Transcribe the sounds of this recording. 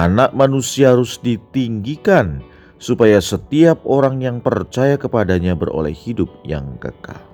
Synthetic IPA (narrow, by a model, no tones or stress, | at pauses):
anaʔ̚manusiaaɾʊsdit̪iŋɡikan | supajasət̪iap̚oɾaŋjaŋpərt͡ʃajakəpadaɲabəro̰lɛ̰hhidʊp̚ja̰ŋkə̰ka̰l